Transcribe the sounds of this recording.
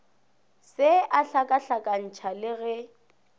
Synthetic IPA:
sɪʔaɬakʼaɬakʼan̩t͡ʃʰalɪɣɛ

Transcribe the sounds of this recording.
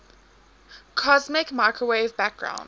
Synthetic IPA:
kʰɔzmɪkmaɪkʰɹəweɪvbæk̚ɡ̥ɹã̰ʊ̃n

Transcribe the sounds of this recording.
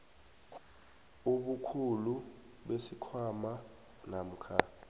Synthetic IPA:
uɓukʰulu | ɓesikʰwama | nam̩ːkʰa

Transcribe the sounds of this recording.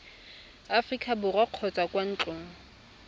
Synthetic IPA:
afrikʼʰabʊraq͡χʰɔt͡sʼakʼwan̩t͡ɬʼʊːŋ̩

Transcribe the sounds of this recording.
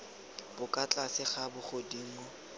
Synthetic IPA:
bʊkʼat͡ɬʼasɪχabʊχodiŋ̩ɔ

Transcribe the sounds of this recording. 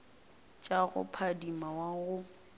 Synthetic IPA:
t͡ʃʼaɣʊ̰pʰadimawaɣʊ

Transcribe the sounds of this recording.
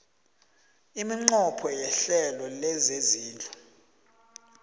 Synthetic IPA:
imiŋ͡ǃɔpʰɔjɛɬɛlɔlɛzeziːnd͡ɮʱu̥

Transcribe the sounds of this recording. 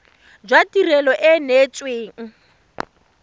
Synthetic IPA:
d͡ʒwatirɛlɔʔɪnet͡sʼweːŋ̩

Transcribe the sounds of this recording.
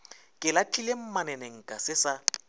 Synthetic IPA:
kʼɪlatʰʼilem̩manɛneŋ̩kʼasɪsa

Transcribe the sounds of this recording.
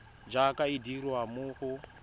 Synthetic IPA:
d͡ʒakaidiɾwamuːxu

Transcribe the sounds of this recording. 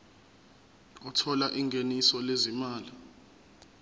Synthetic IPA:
ɔtʰɔlaʔiŋʱenisɔlezimaːli

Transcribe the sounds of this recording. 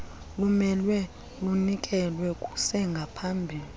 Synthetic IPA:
lumɛlwɛ | lunikʼɛlwɛkʼu̥sɛŋɡʱapʰambʱiːli

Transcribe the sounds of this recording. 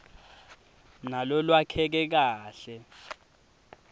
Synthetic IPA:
nalɔlwakʰɛk̬ɛk̬aːɬɛ

